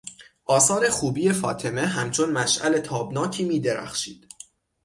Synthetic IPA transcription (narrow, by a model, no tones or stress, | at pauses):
ʔɒːsɒːɾe̞xuːbiːje̞fɒ̰ːt̪ʰe̞me̞ɦæmt͡ʃʰo̞nmæʃʔæ̰le̞t̪ʰɒːbnɒːcʰiːmiːd̪e̞ɾæ̰xʃḭːd̪̥